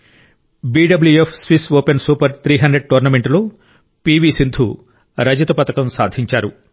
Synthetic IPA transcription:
biːɖɐbljuepʰsʋisʋoːpensuːpɐɾt̪ʰɾiːɦɐnɳɖɾeɖ̚ʈuːɾnɐmeɳʈloː | piːʋiːsind̪ʱʰu | ɾɐd͡ʒɐt̪ɐpɐt̪ɐkɐmsa̰ːd̪ʱiɲt͡ʃaːɾu

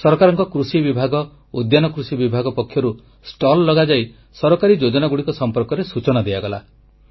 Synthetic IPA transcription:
sɔɾɔkaɾɔŋkɔkɾusibibʱaɡɔ | ud̪janɔkɾusibibʱaɡɔpɔkʰjɔɾu | sʈɔlːɔɡad͡ʒaj | sɔɾɔkaɾid͡ʒod͡ʒɔnaɡuɽikɔsɔmpɔɾkɔɾesut͡ʃɔnad̪ejaɡɔla̰

